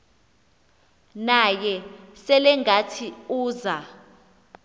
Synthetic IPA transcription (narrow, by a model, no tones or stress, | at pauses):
najɛsɛlɛŋʱatʰiuːza